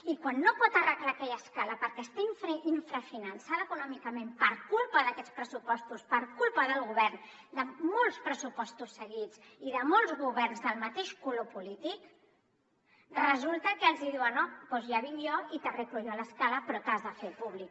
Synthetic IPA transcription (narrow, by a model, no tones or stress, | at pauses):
ikwanːopɔt̪ərəɣlakɛʎəskaləpəɾkɛst̪aiɱfɾiɱfɾəfinənsaðəːkunɔmikəmempəɾkulˠpəðəkɛt͡spɾəsupɔst̪uspəɾkulˠpəðəlˠɣuβɛrn | d̪əmolˠspɾəsupɔst̪usːəɣ̞id͡z | iðəmolˠzɣuβɛrnzðəlˠmət̪eʃkulopulit̪ik | rəzulˠt̪əkəːlˠzðiðiwənopɔzjaβinjɔit̪ərekluʒɔləskaləpɾɔt̪azðəfepuβlik